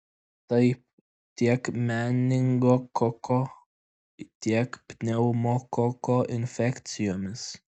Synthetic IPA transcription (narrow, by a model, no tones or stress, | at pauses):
t̪ɐɪp̚ | t̪ʲiɛkmʲæːnʲɪŋɡoːkɔkoː | t̪ʲiɛkpʲnʲɛʊmoːkɔkoːʔɪnʲfʲɛkʲt̪sʲɪjoːmʲɪs